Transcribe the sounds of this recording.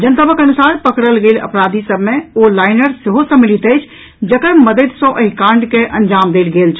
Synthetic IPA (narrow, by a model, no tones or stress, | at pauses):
d͡ʒənt̪əbəkənusaɾpəkɽəlɡelə̰pɾad̪ʱisəbʱmeolaɪnəɾseɦosəmilit̪əjt͡ʃʰ | d͡ʒəkəɾməd̪ət̪sɔ̃ʔəɦikãɳɖkeʔənd͡ʒamd̪elɡelt͡ʃʰ